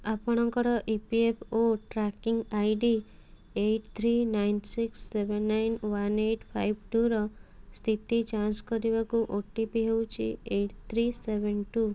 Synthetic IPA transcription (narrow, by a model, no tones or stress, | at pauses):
apɔɽ̃ɔŋkɔɾɔʔipiepʰoʈɾakiŋɡajɖi | eʈt̪ʰɾinajnsiksːebenːajnwaneʈpʰajbʈuɾɔst̪ʰit̪id͡ʒanskɔɾiβakuʔoʈipiɦewt͡ʃʰḭeʈt̪ʰɾisebenʈu